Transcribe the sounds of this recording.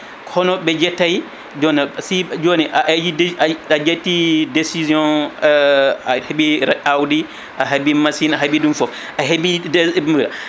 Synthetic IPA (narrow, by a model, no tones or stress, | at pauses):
kʰɔnɔbɛd͡ʒɛtːaj | d͡ʒɔnɛsid͡ʒonɛʔad͡ʒiaad͡ʒetːidesiziɔ̃ | ahebiɾawdi | ʔaɦabimasinaɦabidumfɔf | aɦebimuɾa̰